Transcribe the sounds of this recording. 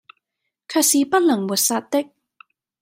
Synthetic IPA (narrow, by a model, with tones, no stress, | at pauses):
kʰaː˧t̚siː˨˧pɐ˥t̚lɐ˨˩ŋmuː˨˩t̚saː˧t̚t̪ɪ˥k̚